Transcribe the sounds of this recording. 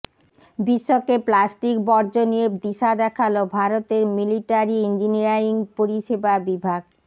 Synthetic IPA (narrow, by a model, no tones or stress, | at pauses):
biʃːokeplasʈikbɔɾd͡ʑonied̪iʃad̪ɛkʰalobʱaɾot̪eɾmiliʈaɾiind͡ʑiniaɾiŋpoɾiʃebabibʱaɡ